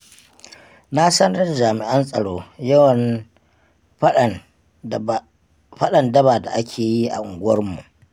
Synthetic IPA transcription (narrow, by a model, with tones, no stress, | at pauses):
na˦sɐ˦n˦ɐ˦rd͡ʒaː˨mɪ˨ʔɐ˦nsʼɐ˨ɽoː˦jɐ˦wɐ˨n˨ | ɸɐ˦ɗɐ˨ndɐ˦baː˨da̰˨ʔa˦kʲʰeː˨ji˦ʔa̰˨ʔʊ˨ŋɡʷʊ˦wɐ˦rmu˨ʔ